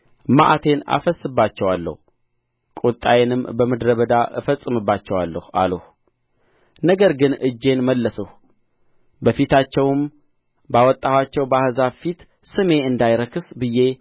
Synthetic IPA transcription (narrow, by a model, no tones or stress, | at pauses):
maʔat̪ʰe̞na̰fəsːɨbːat͡ʃːɛwalːə̰hu | kʼut̪ʼːajnɨmbəməd̪ɾəβəd̪aʔɨfəsʼːɨmɨbːat͡ʃːɛwalːəha̰ləh | nəɡəɾɡɨnʔɨd͡ʒːe̞nməlːəsəh | bəfit̪ʰat͡ʃːɛwm | bawɔt̪ʼːahwat͡ʃːɛwbahɨzafit̪ | sɨme̞ɨnd̪ajɾəkʰɨsbɨje̞